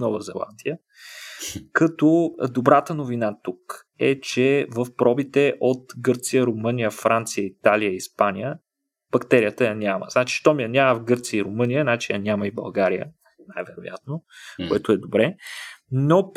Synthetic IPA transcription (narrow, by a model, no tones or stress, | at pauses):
nɔvəzɛlˠa̰nd̪iə | kɐt̪od̪obɾat̪ənovinat̪uk | ɛ̰t͡ʃɛvəfpɾɔbit̪ɛʔot̪ɡɤɾt̪sijəɾomɤnijəfɾant̪sijəit̪alijəiispanʲijə | b̥ɐkt̪ɛɾijət̪əjɐnʲamə̰znat͡ʃi̥ʃt̪ɔmijɐnʲaməvɡɤɾt̪sijəiɾomɤnʲijənat͡ʃijənʲaməibɐ̰lˠɡaɾijə̰ | najvɛɾoja̰t̪nokoɛt̪ʊɛd̪obɾɛ | no